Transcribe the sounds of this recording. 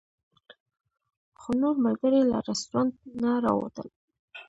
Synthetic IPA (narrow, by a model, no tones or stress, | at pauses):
xonoɾmalɡəɾela̰ɾɪst̪ɾɑnt̪̚naɾɑ̰wo̰t̪ə̰l